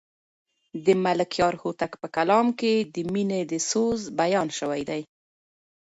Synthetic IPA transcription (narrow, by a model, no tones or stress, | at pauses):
d̪əmalɪkjɑɾhot̪akpəkalɑmked̪əmined̪əsozbajɑnʃəwajd̪aj